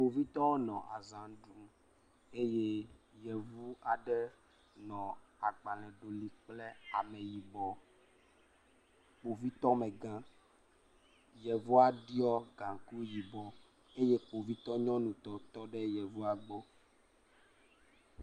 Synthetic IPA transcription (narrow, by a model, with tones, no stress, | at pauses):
k͡po˨vi˦t̪ɔ˦wo˦nɔ̃˨ʔa˨zã˨˦ɖu˦ | e˦je˦jɛ˨vu˦a˨ɖɛ˦ | nɔ̃˨a˨ɡ͡ba˨lɛ̃˨ɖo˨li˨k͡ple˦a˨mɛ˨ji˨bɔ˨ | k͡po˨vi˦t̪ɔ˦me˨ɡã˦ | jɛ˨vu˦a˨ɖi˦ɔ˦ɡã˨ku˦ji˨bɔ˨ | e˦je˦k͡po˨vi˦t̪ɔ˦ɲɔ̃˦nũ˨t̪ɔ˨t̪ɔ˦ɖɛ˦jɛ˨vu˦a˨ɡ͡bɔ˦